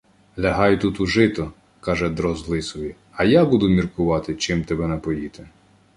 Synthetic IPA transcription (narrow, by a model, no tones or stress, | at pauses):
lʲɐɦɑjt̪ut̪uʒɪt̪ɔ | kɑʒɛd̪ɾɔzlˠɪsɔʋʲi | ɐjabud̪ʊmʲirkʊʋɑt̪ɪt͡ʃɪmt̪ɛbɛnɛpɔjit̪e